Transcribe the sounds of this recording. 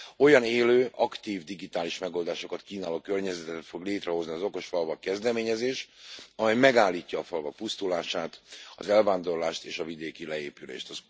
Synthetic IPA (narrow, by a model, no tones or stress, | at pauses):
o̞jɒneːløːʔɒkt̪iːvd̪iɡit̪aːliʃmɛɡo̞ld̪aːʃo̞kɒt̪kiːnaːloːkørɲɛzɛt̪ɛt̪ɛt̪fo̞ɡleːt̪rɛɦo̞zniɒzo̞ko̞ʃfɒlvɒkːɛzd̪ɛmeːɲɛzeːʃɒmɛjmɛɡaːlːiːcːɒːfɒlvɒk̚pust̪ulaːʃaːt̪ɒ̰zɛlvaːnd̪o̞rlaːʃt̪eːʃɒvid̪eːkilɛeːpylḛːʃt̪ɒz